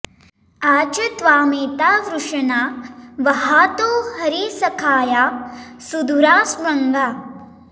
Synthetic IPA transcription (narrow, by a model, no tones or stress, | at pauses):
aːt͡ʃɐt̪ʋaːmeːt̪aːʋɾuʂɐnaːʋɐɦaːt̪oːhɐɾisɐkʰaːjaːsud̪ʱuɾaːsʋɐŋɡaː